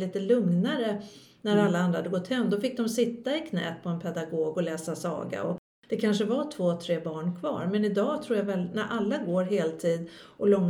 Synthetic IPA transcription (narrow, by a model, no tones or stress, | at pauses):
liːt̪əlɵŋnaɾənæɾalːaand̪ɾahad̪əɡɔt̪ːhɛmːd̪ɔfɪk̚ːd̪ɔmsɪt̪ːaɪkʰnɛ̰ːpʰɔɛnpʰɛd̪aɡoːɡɔlɛːsasɑ̰ːɡa̰ɔ | d̪̥ɛkʰanʂəvat̪ʰv̥oːt̪ʰɾeːbɑːɳkʰvɑ̰ːɾmɛnɪd̪ɑːt̪ʰɾuːɾjavɛlnæɾʔalːaɡoːɾɦeːlt̪ʰiːd̪ʔɔlɔŋː